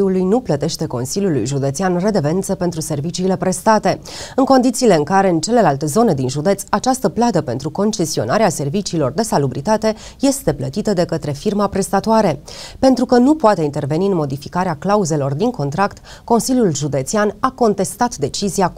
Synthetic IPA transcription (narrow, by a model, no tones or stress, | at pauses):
ulujnuplət̪e̞ʃt̪e̞ko̞̰nsiljulṵjʒud̪e̞t̪sianre̞d̪e̞ve̞nt̪səpe̞nt̪ɾuse̞rvit͡ʃiːle̞pɾe̞st̪at̪e̞ | ɨŋko̞nd̪it̪siːle̞ɨŋkaɾe̞ɨnt͡ʃe̞le̞lalt̪e̞zo̞ne̞d̪inʒud̪e̞t̪sat͡ʃast̪əplad̪əpe̞nt̪ɾuko̞nt͡ʃe̞sio̞̰naɾease̞rvit͡ʃiːlo̞rd̪e̞salubɾit̪at̪e̞ | je̞st̪e̞plət̪it̪əd̪e̞kət̪ɾe̞firmapɾe̞st̪at̪oaɾe̞pe̞nt̪ɾukənupoat̪e̞int̪e̞rve̞niɨnmo̞d̪ifikaɾeaklauze̞lo̞rd̪iŋko̞nt̪ɾakt̪ko̞nsiljulʒud̪e̞t̪sianako̞nt̪e̞st̪at̪d̪e̞t͡ʃizia